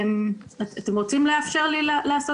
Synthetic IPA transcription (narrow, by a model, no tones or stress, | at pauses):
matate̞mʁot͡simleafʃeʁlilalaːso